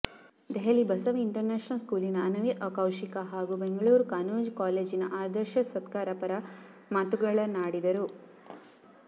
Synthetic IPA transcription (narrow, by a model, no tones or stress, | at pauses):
d̪eɦɐlibɐsɐʋiɳʈɐɾneːʃɐnɐlskuːlinɐɐnɐʋiʔɐkɐwʂikɐɦaːɡubeŋɡɐɭuːɾkaːnuːnd͡ʒkaːleːd͡ʒinɐ̰ʔaːd̪ɐɾʃɐsɐt̪kaːɾɐpɐɾɐ | maːt̪uɡɐɭɐnaːɽid̪ɐɾu